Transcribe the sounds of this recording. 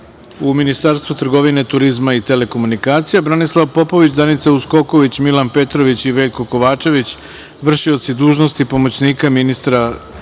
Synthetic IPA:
uminist̪aːɾst̪ʋut̪r̩ɡo̞ʋine̞t̪uɾizmait̪e̞le̞ko̞munikaːt̪sijabɾanislˠaʋpo̞po̞ʋit͡ɕd̪anit̪sausko̞ko̞ʋit͡ɕmilanpe̞t̪ɾo̞ʋit͡ɕiʋe̞ːʎko̞ko̞ʋaːt͡ʃe̞ʋit͡ɕ | ʋr̩ʃio̞t̪sid̪uːʒno̞st̪ipo̞mot͡ɕniːkaminist̪ɾa

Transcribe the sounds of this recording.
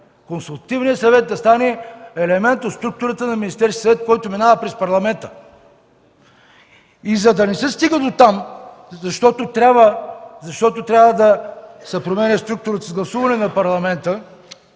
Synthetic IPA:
konsulˠt̪ɐt̪ivnijət̪sɐvɛt̪̚d̪ɐst̪anɛɛlɛmɛnt̪ot̪st̪ɾuk̚t̪ʊɾət̪ənɐminist̪ɛɾsk̪ʲisɐvɛt̪̚kɔjt̪ominavəpɾɛspɐɾlˠɐmɛnt̪ə̥ | izɐd̪ɐnɛsɛst̪iɡəd̪ot̪am | zɐʃt̪ɔt̪ot̪ɾʲabvəzɐʃt̪ɔt̪ot̪ɾʲavəd̪ɐsɛpɾomɛnʲəst̪ɾuk̚t̪ʊɾət̪əzɡlˠɐsuvɐnɛnɐpɐɾlˠɐmɛnt̪ə

